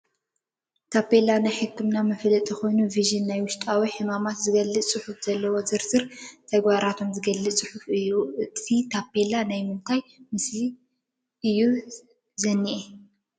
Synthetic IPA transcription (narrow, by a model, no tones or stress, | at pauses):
t̪ʰapːelanajħɨkːɨmnamɨflɨt̪ʼzɨxo̞jnuviʒɨnːajwʊʃt̪ʼawiħɨmamat̪zɨɡɐlːɨsʼɨħufzɐlːɐwo̞zɨɾsɨɾt̪ʰɐɡβaɾat̪ʰo̞mzɨɡɐlːɨsʼɨħufɨjːuɨt̪ʰit̪ʰapːe̞lanajmɨnt̪ʰajmɨsli | ʔɨjːu | zɐnːiʔe